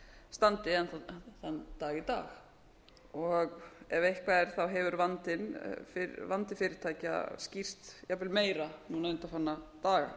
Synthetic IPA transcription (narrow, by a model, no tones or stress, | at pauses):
st̪ant̪ɪɛnθaθanːt̪aːɣɪt̪a̰ːx | ɔɣɛvejhkʰvaðɛɾ̥θawɦɛvʏɾvant̪ɪnfɪvant̪ɪfɪːɾɪɾ̥t̪ʰaːjca̰scir̥t̪javɪlmeːjɾanuːnaʏnt̪afanːat̪aːɣa̰